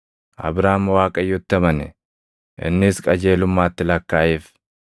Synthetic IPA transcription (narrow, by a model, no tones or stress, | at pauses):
ʔɐ̰bɾaːmɐwaːkʼɐjːʊt̪ːɐmɐnɛ̰ | ʔɪ̰nːɪskʼɐd͡ʒe̞ːlʊmːaːt̪ːɪlɐkːaːʔɪf